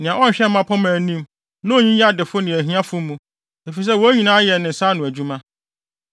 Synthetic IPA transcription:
nɪ̃˨ã˨ɔ˦˨ɕᶣɛ˦m˦mã˦pʰɔ˦mæ̃˨nĩ˦m | nã˦o˨ɲĩ˦jɛ˦a˦˨dɪ˨fʊ˦nɪ̃˨æ˨ɦĩ˦ã˦fʊ˦mũ˦ | e˨fi˨s̬ɛ˦wɔ˨˦æ˦ɲĩ˨nãː˦jɛ˨nɪ̃˨n̩˨sa˦nʊ̃˨æ˨d͡ʑu˦mã˦

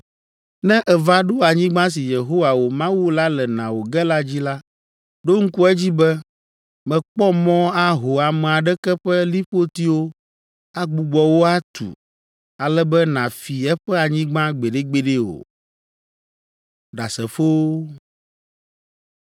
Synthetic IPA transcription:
nɛ̃˦ʔɛ˨va˦ɖo˦a˨ɲĩ˦ɡ͡bã˦s̬i˨je˨ɦo˦wa˨wo˨mã˦wu˦la˦lɛ˨nã˨wo˨ɡɛ˦la˦d͡ʑi˦la˦ | ɖo˦ŋ̩˦ku˦ɛ˦d͡ʑi˦bɛ˦ | mɛ̃˨k͡pɔ˦mɔ̃˦a˦ɦo˨a˨mɛ̃˨a˨ɖɛ˦kɛ˦ɸɛ˦li˦ɸo˦t̪i˦wo˦ | a˦ɡ͡bu˨ɡ͡bɔ˨wo˦a˦t̪ṵ˨ | a˨lɛ˦bɛ˦nã˨fi˨ɛ˦ɸɛ˦a˨ɲĩ˦ɡ͡bã˦ɡ͡be˨ɖe˦ɡ͡be˦ɖe˦o̰˨ | ɖa˨sɛ˨fo˦

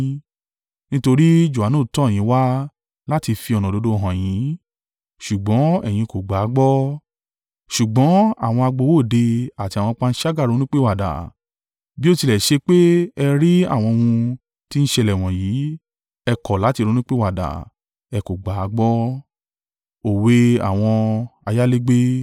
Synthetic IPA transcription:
nĩ˦to˧ɾi˦d͡ʒu˨a˨nũː˦˨tɔ̃˦˨ĩ˨˦wa˦ | la˦ti˧fi˧ɔ˧nɔ̃˨do˨˦do˦˨ɦã˨j̃ĩ˨˦ | ʃu˨ɡ͡bɔ̃˨˦ɛ˦˨j̃ĩ˧ko˨ɡ͡ba˨˦ɡ͡bɔ˦ | ʃu˨ɡ͡bɔ̃˨˦a̰˦˨w̃ɔ̃˧a˧ɡ͡bo˧˦wo˦˨de˧a˨ti˧a˨wɔ̃˧k͡pa˧n̩˦ʃa˦ɡa˦˨ɾo˨˧˦nĩ˦k͡pe˦wa˨da̰˨ | bi˦o˦ti˧lɛ˨ʃe˧k͡pe˦ɛ˧ɾi˦a̰˦˨w̃ɔ̃˧wũ˧ | ti˦n̩˦ʃe˧lɛ˨w̃ɔ̃˨jiː˨˦ | ɛ˧kɔ˨la˨˦ti˧ɾu˦nĩ˦k͡pe˦wa˨da̰˨ | ɛ˧ko˨ɡ͡ba˨˦ɡ͡bɔ˦ | o˨we˧a̰˦˨w̃ɔ̃˧a˧ja˦le˦ɡ͡be˦

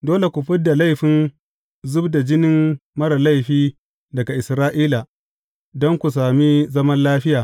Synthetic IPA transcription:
doː˦le˨kʷu˨ɸɪ˦da˨la˦jɸɪ˨˦n | zʊ˦bda˨d͡ʒɪ˦nɪ˦mmɐ˦ɾa˨la˦jɸiː˦ | dɐ˨ɡa˨ʔɪ˨sɾaː˦ʔiː˦la˨ | dɔ˦ŋkʷu˨s̬aː˨mi˦zɐ˦mɐ˦nlaː˦ɸɪ˦jaː˨

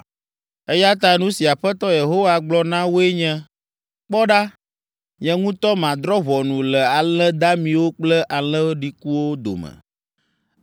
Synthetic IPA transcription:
e˦ja˦t̪a˦nũ˦si˨a˨ɸɛ˦t̪ɔ˦je˨ɦo˦wa˨ɡ͡blɔ˦nã˦wo˦e˦ɲɛ̃˦ | k͡pɔ˦ɖa˦ | ɲɛ̃˨ŋũ˦t̪ɔ˦mã˨d̪ɾɔ˦vɔ˨nũ˨lɛ˨a˨lɛ̃˦d̪a˦mĩ˨wo˦k͡plɛ˦ʔa˨lɛ̃˦ɖi˨ku˦wo˦d̪o̰˨mɛ̰̃˨

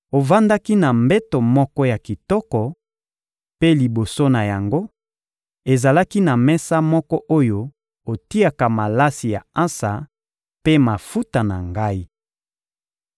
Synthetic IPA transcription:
o˨va˦nda˦ki˦na˨mbɛ˦to˨mɔ˦kɔ˦ja˨ki˨tɔ˦kɔ˨ | pe˦li˨bo˨so˦na˨ja˨ŋɡo˦ | e˨za˨la˦ki˦na˨mɛ˦sa˦mɔ˦kɔ˦ʔo˦jo˦ | o˨ti˦a˨ka˨ma˨la˦si˨ja̰˨ã˦sa̰˨ | pe˦ma˨fu˦ta˨na̰˨ŋɡa˦i˦

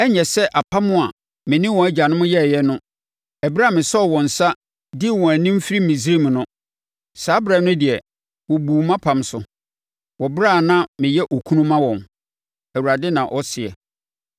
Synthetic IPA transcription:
ɛ˦ɲɛ˨sɛ˦ʔa˨pʰa˦mʊ̃˦a˨ | mɪ̃˨nɪ̃˦wɔ̃˨æ˦d͡ʑa˨nʊ̃˦mʊ̃˦jɛ˦˨jɛ˦nʊ̃˦ | ɛ˨bɾa˦˨mɪ̃˨sɔ˦ɔ˨wɔ̃˨n̩˨sa˦ | dɪ˦˨wɔ̃˨æ˨nĩ˦m̩˦fi˦ɾi˦mĩ˨s̬ɾe˦˨m˨nʊ̃˦ | saː˨˦bɾɛ˨nʊ̃˦dɪ˨ɛ˨ | wɔ̃˨buː˨mã˦pʰã˨msʊ˨ | wɔ˨bɾa˦˨nã˦mɪ̃˨jɛ˦ʔɔ˨kʰu˦nũ˦mã˦wɔ̃˨n | æ˨wu˨ɾa˨dɪ˦nã˨ʔɔ˦sɪ˨ɛ̰˨

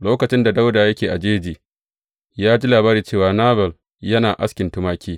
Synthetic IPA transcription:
loː˦kɐ˨t͡ʃɪ˦nda˨da˦wdaː˨jɐ˦kʲeː˨ʔa˨d͡ʒeː˦d͡ʒiː˨ | jaː˦d͡ʒi˦laː˨baː˦ɾiː˨t͡ʃeː˦˨waː˨naː˦bɛ˨l | jɐ˦naː˨ʔa̰˦skʲɪ˨ntʊ˦maː˦kʲiː˦

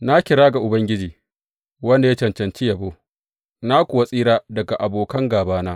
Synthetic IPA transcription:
na˦kʲɪ˨ɽaː˦ɡa˨ʔʊ˨bɐ˦ŋɡʲɪ˦d͡ʒiː˨ | wɐ˦nda˨ja˦t͡ʃɐ˨nt͡ʃɐ˨nt͡ʃi˦jɐ˨boː˦ | na˦kʷʊ˨wa˦sʼiː˦ɾaː˦dɐ˨ɡa˨ʔa˨boː˨kɐ˦ŋɡaː˨baː˦naː˦

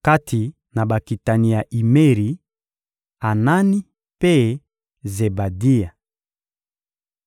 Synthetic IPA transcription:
ka˦tʰi˨ | na˨ba˨ki˨ta˨ni˨ja˨ʔi˨me˦ʁi˨ | a˨na˦ni˦ | pe˦ | ze˨ba˨di˦a˨

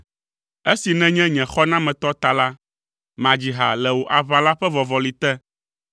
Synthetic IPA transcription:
e˦si˨nɛ̃˦ɲɛ̃˦ɲɛ̃˨xɔ˦nã˦mɛ̃˨t̪ɔ˦t̪a˨la˦ | mã˨d͡ʑi˨ɦa̰˨lɛ˨wo˨ʔa˨βa˨la˦ɸɛ˦vɔ˨vɔ˨li˨t̪ɛ˦

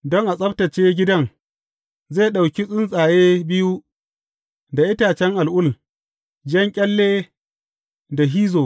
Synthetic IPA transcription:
dɔ˦ŋʔa˨sʼɐ˦btɐ˨t͡ʃeː˦ɡʲɪ˦dɐ˦ŋ | zeː˦˨ɗa˨wkʲi˦sʼɪ˦nsʼaː˨jeː˦bɪ˦ju˦ | da˨ʔɪ˦taː˨t͡ʃɛ˦ŋʔa˨lʔʊ˦l | d͡ʒɛ˦ŋkʲʼɛ˦lːeː˦ | da˨ɦiː˦zoː˨

